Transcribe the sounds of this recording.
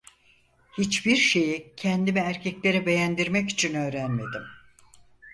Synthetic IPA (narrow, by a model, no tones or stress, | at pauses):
hit͡ʃbiɾʃe̞jicʰɛnd̪imiæɾcʰɛclʲe̞ɾibe̞jænd̪iɾmɛci̥t͡ʃʰinø̞ːɾænme̞d̪im